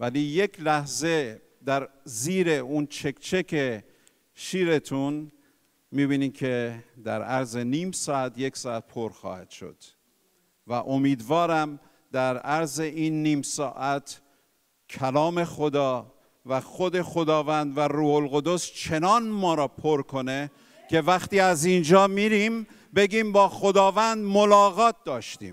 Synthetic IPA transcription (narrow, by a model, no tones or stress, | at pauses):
væliːje̞kʰlæhze̞ | d̪æɾziːɾe̞unt͡ʃʰe̞kʰt͡ʃʰe̞kʰe | ʃiːɾe̞t̪ʰun | miːbiːniːmkʰe̞d̪æɾæɾze̞niːmsɒːæt̪ʰje̞ksɒːæt̪̚pʰoɾxɒ̰ːhæd̪̥ʃo̞̰d̪̥ | væʔo̞miːd̪vɒːɾæm | d̪̥æɾæɾze̞ʔiːnːiːmsɒ̰ːʔæt̪ʰ | cʰælɒːme̞xod̪ɒː | væxo̞d̪e̞xo̞d̪ɒːvænd̪væɾuːholɣo̞d̪o̞st͡ʃʰe̞nɒːnmɒːɾɒːpʰoɾkʰo̞ne̞ | kʰe̞væxt̪iːæzind͡ʒɒːmiɾim | be̞ɡiːmbɒːxo̞d̪ɒːvænd̪molɒːɣɒːt̪̚d̪ɒːʃt̪ḭːm